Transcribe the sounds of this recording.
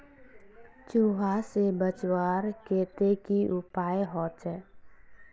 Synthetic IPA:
t͡ʃuːɦasebət͡ʃwaːɾkeːt̪ekiʔʊpaːjɦɔːt̪ɛː

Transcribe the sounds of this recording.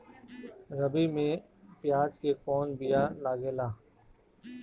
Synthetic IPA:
ɾəbiːmẽː | pjaːd͡ʒkeːkoːnbijaːlaːɡeːlaː

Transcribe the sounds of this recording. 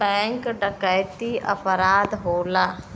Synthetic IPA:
bɛ̃ːŋkɖəkəjt̪iʔə̰pɾaːd̪ɦoːlaː

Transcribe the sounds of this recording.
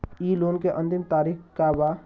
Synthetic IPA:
iːloːnkeʔə̃nt̪ɪmt̪aːɾixkaba

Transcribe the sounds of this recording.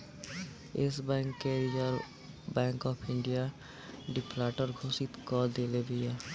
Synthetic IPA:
ɪsbɛ̃ːŋkːeɾid͡ʒəl | bɛ̃ːŋkɔːpʰɪ̃ɳɖija | ɖɪpʰlaːʈəɾɡʱoːsɪt̪kɔːld̪eːlebiɛː

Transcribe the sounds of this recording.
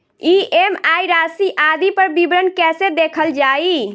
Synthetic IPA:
iemajɾasiʔad̪ipəɾbibɾənkɛsed̪ekʰəld͡ʒai

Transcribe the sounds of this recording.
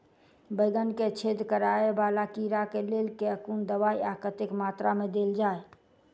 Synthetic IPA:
bəɪɡənket͡ʃʰed̪kəɾaebalakiɾakelelkeəkund̪əβaiakət̪ekmat̪ɾamed̪eld͡ʒae

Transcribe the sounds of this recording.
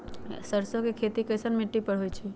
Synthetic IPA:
səɾsokekʰet̪ikəjsənmiʈːipəɽɦojt͡ʃʰe

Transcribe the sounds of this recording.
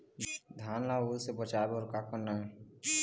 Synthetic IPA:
d̪ʱaːnlaolsebət͡ʃaːebɔːɾkakəɾnaɦɛ

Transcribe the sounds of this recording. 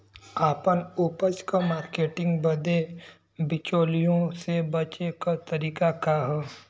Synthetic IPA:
aːpənuːpət͡ʃkamaːɾkeːʈɪ̃ŋɡbɐd̪e | bɪt͡ʃoːlijõsebɐt͡ʃekat̪ɐɾiːkakaɦɛː

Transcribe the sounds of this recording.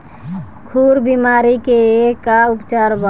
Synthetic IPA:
kʰuɾbimaɾikeekaupt͡ʃaɾbə

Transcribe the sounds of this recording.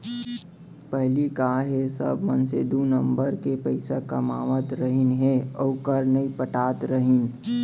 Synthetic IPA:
pəɦlikaːɦesə̰bmənsed̪unə̃mbəɾkepəɪsakɐmaːʋət̪ɾəɦɪnɦeɔːkəɾnəipəʈaːt̪ɾəɦɪn

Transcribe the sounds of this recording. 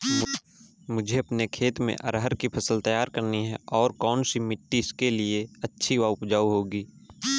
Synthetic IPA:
mʊd͡ʒʱeɐpnekʰeːt̪mḛ̃ʔɐ̰ɾɦəɾkipʰəsəlt̪ɐjaːɾkəɾniɦɛɔːɾkɔːnsimɪʈːiskelieɐtːʃʰiʋaʊpd͡ʒaːuɦoːɡiː

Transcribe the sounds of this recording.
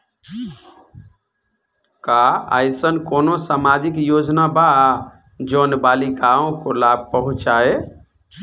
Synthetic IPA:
kaa̰jsənkonosamad͡ʒikjod͡ʒnaba | d͡ʒonbalikaõkolab̚ʱpəɦũt͡ʃae

